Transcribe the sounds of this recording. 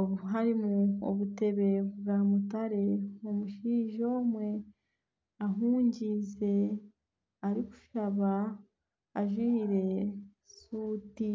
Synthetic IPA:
oɦaɾimuo̰βute̞βe̞βuɾamutaɾe̞omuʃiːʒo̞ːmwe̞ | aɦuːɲɟize̞ | aɾiku̥ʃaβaː | ʒwiːɾe̞ | suːti

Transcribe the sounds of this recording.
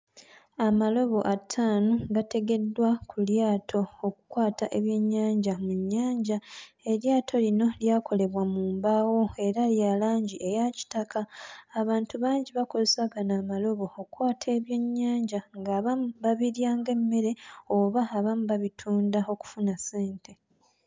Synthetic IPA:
amalo̞βo̞ʔatʰaːnuɡate̞ɡe̞dːwakuljaːtʰo̞ːkukwaːtaʔeβje̞ɲːaːɲɟamuɲːaːɲɟa | e̞ljaːtʰo̞lino̞ljaːkʰo̞le̞βwamuːmbaːwo̞e̞ɾaljalaːɲɟie̞jaci̥takʰaːβaːntuβaːɲɟiβako̞zesaɡanaːmalo̞βo̞ːkwaːtʰe̞ːβjo̞ɲːaːɲɟaŋɡaːβamubaβiɾjaːŋɡe̞mːe̞ɾe̞o̞βaːβamuβaβitʰuːndao̞ku̥funase̞ːntʰe̞

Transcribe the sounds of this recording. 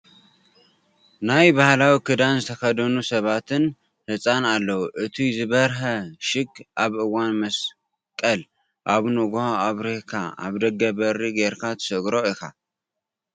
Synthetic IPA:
najbahlawikʰɨd̪anzɨt̪ʰɐkɐd̪ɐnusɐβat̪ʰɨn | hɨsʼanalːɐwuʔɨt̪ʰijzɨβɐɾɦɐʃɪɡʔaβʔɨwːanmɐs | kʼɐl | ʔaβnoɡohaaβɾehkʰa̰ʔa̰βd̪ɐɡɐβɐɾiɡeɾkʰat̪ʰɨ̥sɨɡɾo̞ɨkʰa

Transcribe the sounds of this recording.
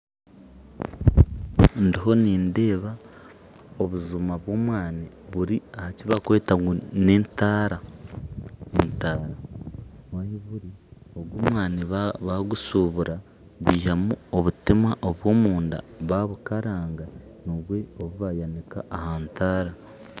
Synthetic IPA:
ndiɦo̞niːnde̞ːβa | oβuzumaβwo̞ːmwaːni | βuɾiahaciβakwe̞ːtaunentaːɾa | entaːɾa | wajiβuɾioɡwoːmwaːniββaɡusuβuɾa | βiːhamuoβutimaʔo̞βwo̞ːmuːnda̰βaβukaɾaːŋɡanoβwe̞oβuβajanika̰ʔːhaːntaːɾa

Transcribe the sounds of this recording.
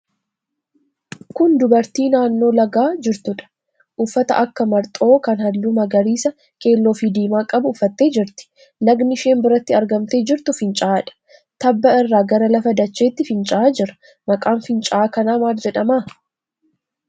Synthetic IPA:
kʊnd̪ʊbɐɾt̪iːnaːnːo̞ːlɐɡaːd͡ʒɪɾt̪ʊᶑɐ̥ | ʔʊfːɐt̪ɐ̰ʔɐkːɐmɐɾt̪ʼo̞ːkɐnhɐlːʊmɐɡɐɾiːsɐ | kʰʼe̞ːlːo̞ːfid̪iːmaːkʼɐbʊːfːɐt̪ːe̞ːd͡ʒɪɾt̪ɪ̥ | nɐɡnɪʃe̞ːnbɪɾɐt̪ːɪɐɾɡɐmt̪e̞ːd͡ʒɪɾt̪ʊfɪnt͡ʃʼaaːᶑɐ̥ | t̪ɐbːɐɪrːaːɡɐɾɐlɐfɐd̪ɐt͡ʃːe̞ːt̪ːɪfɪnt͡ʃʼaːd͡ʒɪɾɐ | mɐkʼaːnfɪnt͡ʃʼaaːkɐnaːmaːld͡ʒɛᶑɐmaː

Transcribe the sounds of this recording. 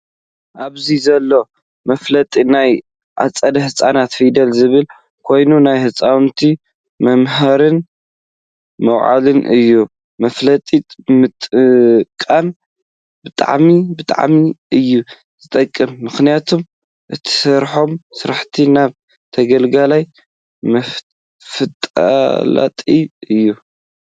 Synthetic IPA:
ʔaβzizɐlːo̞ | mɐflɐt̪ʼinaj | ʔa̰t͡sʼːɐd̪ɐhɨsʼanat̪fid̪ɐlzɨβɨl | kʰo̞jnunajhɨt͡sʼawnt̪ʰi | mɐmɦɐɾɨn | mɐwʕa̰lɨnʔɨ̰jːu | mɐflɐt̪ʼit̪ʼmɨt̪ʼkʼːan | bɨt̪ʼa̰ʕmibɨt̪ʼa̰ʕmiɨjːu | zɨt̪ʼɐkʼːɨmːɨxnijat̪ʰom | ʔɨt̪ʰi̥sɐɾħo̞msɨɾaħt̪ʰinaβ | t̪ʰɐɡɐlɡalaj | mɐ | fɨt̪ʼa̰la̰t̪ʼiɨjːu

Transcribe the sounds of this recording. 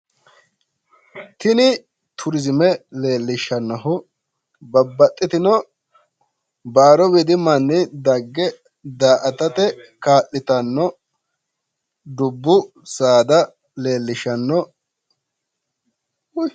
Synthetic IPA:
t̪ɪnɪ | t̪ʰʊɾɪzɪmɛle̞ːlːɪʃɐnːɔɦʊ | bɐbːɐt̪ʼːɪt̪ɪnɔ | baːɾɔbid̪ɪmɐnːɪd̪ɐɡːɛ | d̪aːʔɐt̪ɐt̪ɛkaːʔːɪt̪ɐnːɔ | d̪ʊbːʊ | saːd̪ɐ | le̞ːlːɪʃɐnːɔ

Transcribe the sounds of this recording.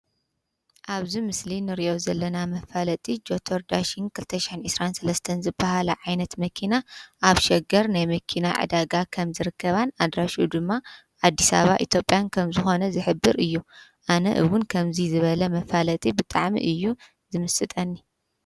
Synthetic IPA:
ʔaβzimɨslinɨɾiʔo̞zɐlːɐnamɐfalɐt̪ʼid͡ʒo̞t̪ʰoɾd̪aʃinkʰɨlt̪ʰɐʃɪ̥ħɨnʕɨsɾansɐlɐst̪ʰɐnzɨbːahalɐʕajnɐt̪mɐkʰinaʔaβʃɛɡɐɾnajmɐkʰina̰ʕɨ̰d̪aɡakʰɐmzɨɾɨkːɐβanad̪ɾaʃud̪ɨmːa | ʔad̪ːisa̰βa̰ʔit̪jo̞pʼjankʰɐmzɨxo̞nɐzɨħɨbːɨɾɨjːuʔanɐ̰ʔɨwʊnkʰɐmzizɨβɐlɐmɐfalɐt̪ʼibɨt̪ʼaʕmḭʔɨjːu | zɨmɨsɨt̪ʼɐnːi

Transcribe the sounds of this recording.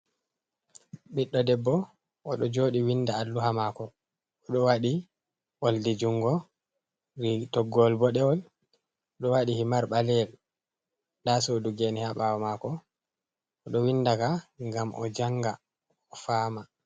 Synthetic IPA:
ɓiɗːɔdɛbːɔ | ʔɔɗɔd͡ʒoːɗiwindaːlːuɦamakɔː | ɗɔwaɗi | woldid͡ʒuŋɡɔ | ɾitɔɡːɔlbɔɗɛwɔl | ɔɗɔwaɗihimaɾɓalɛl | dasoduɡɛnihaɓawɔmakɔ | ɔɗɔwindakaŋɡamʔɔ̰d͡ʒaŋɡa | ɔfaːma

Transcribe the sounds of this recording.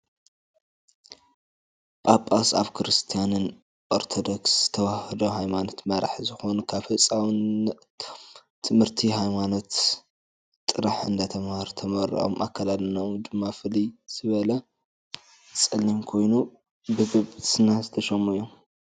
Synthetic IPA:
ʔʼapʼːasa̰βkʰɨɾɨst̪ʰijanɨn | ʔoɾt̪ʰod̪oksz̥ɨt̪ʰɐwahɨd̪oɦajmano̞t̪mɐɾa̰ħzɨxo̞nukʰaβhɨsʼawn | t̪ʰɨmhɨɾt̪ʰiɦajmano̞t̪ | t̪ʼɨɾaħɨ̰nd̪at̪ʰɐmhɾt̪ʰɐmɐɾḭʔo̰mʔakʰːalalɨnowd̪ɨmːafɨliz̥ɨβɐlɐ | t͡sʼɨlːimkʰo̞jnu | bɨɡɨβsɨnazɨt̪ʰɐʃɐmːujom

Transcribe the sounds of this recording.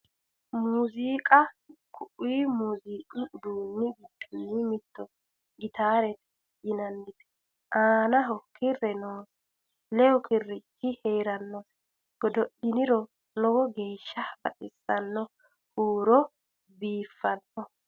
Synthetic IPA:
muːziːkʼɐkʰʊʔiːmuːziːkʼɪd̪uːnːɪɡɪd̪ɪnːɪmɪt̪ːɔ | ɡɪt̪aːɾɛt̪ | jɪnɐnːɪt̪ɛ̥ | ʔaːnɐɦɔkʰɪrːɛnoːs | lɛjɔkɪrːɪkːɪheːɾɐnːɔs | ɡ̥ɔd̪ɔɗɪnɪɾɔ | nɔwɔɡe̞ːʃːɐbɐ̰t̪ʼɪsːɐnːɔ | huːɾɔ | biːfːɐnɔ

